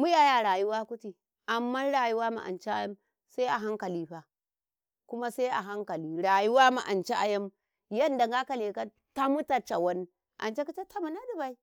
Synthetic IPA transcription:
mu˦ja˨ja˨ɽaː˨ju˦waː˦ku˦tiː˨ | ʔa˨mːa˦nɽa˨ju˦waː˦ma̰˨ʔa̰˨nt͡ʃi˦ʔa˦jɐ˦m | sa˦ʔa˨ɦa˦ŋka˨liː˦ɸa˨ | kʊ˦ma˦se˦ʔa̰˨ɦa˦ŋka˨liː˦ɽa˨ju˦wa˦ma˨ʔa˨nt͡ʃe˦ʔa˨jɐ˦m | jɐ˦nda˨ŋɡa˦ka˨le˨ka˦ | ta˦mu˦ta˨t͡ʃa˨wɐ˦n˦ | ʔa̰˨nt͡ʃe˦ku˦t͡ʃe˦tʰa˦mu˨na˦du˨ba˦i˦

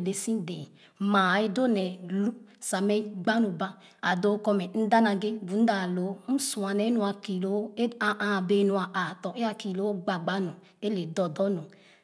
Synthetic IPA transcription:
le˨sĩ˦dɛ˨ | ma˨e˧do˦nɛ˨lu˦sa˨mɛ˦ɡ͡ba˦nu˨ba˦ | a˨do˨˦kɔ˧mɛ˨n̩˦da˦na˧ɡe˦bu˨˦n̩˦da˨lo˨˦n̩˦su˨a˨nɛ˨˦nu˨a˧ki˨lo˨˦e˦a˧ʔa˨be˨˦nu˨a˨ʔa˨tɔ˨ʔe˦a˧ki˨lo˨˦o˦ɡ͡ba˨ɡ͡ba˨˦nu˨ | e˦le˨dɔ˨dɔ˦nu˨

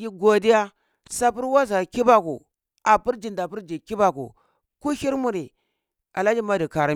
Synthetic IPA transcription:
ji˦ɡo˨di˦ja˦ | sa˦pu˦ɾwa˦za˨ki˦ba˦kṵ˨ | a˨pu˦ɾd͡ʒi˨nda˨pi˦ɾd͡ʒi˨ki˦ba˦kṵ˨ | ku˦hi˦ɾmu˨ɾi˨ | a̰˨la˦d͡ʒi˦ma˦di˨ka˨ɾa˦

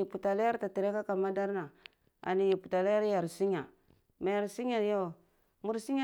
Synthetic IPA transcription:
i˨pu˨ta˨la˦ja˦ɾta˨ti˨ɾe˦ka˦ka˨ma˦da˦ɾna˨ | a̰˨ni˨ji˨pu˨ta˨la˦ja˦ɾja˨ɾsi˦ɲa˨ | ma˨ja˨ɾsi˦ɲ˦a˨jo˦˨ | mu˦ɾsi˦a˦

